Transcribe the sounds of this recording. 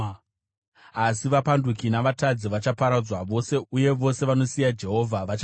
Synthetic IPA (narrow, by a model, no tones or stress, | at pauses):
asiʋapandukinaʋatad͡ziʋat͡ʃapaɾad͡zwaʋo̞se̞uje̞ʋo̞se̞ʋano̞sijad͡ʒe̞ɦo̞ːvʱaʋat͡ʃ